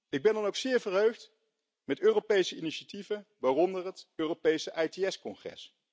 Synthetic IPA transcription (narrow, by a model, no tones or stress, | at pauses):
ɪɡ̚bɛndɑnowksɪːɹvəɹɦøɥχt | mɛtøːropejsəiniʃativəʋaːrɔndərɦətøːropejsəʔɛjteɛskɔŋχrɛ̰s